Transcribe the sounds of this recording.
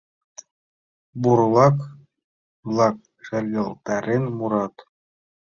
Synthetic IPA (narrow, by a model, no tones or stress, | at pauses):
buɾlˠɑk | blˠɑk̚ | ʃɘ̆rʲɡʲɤ̆lˠt̪ɑɾʲɘnmuɾɑt̪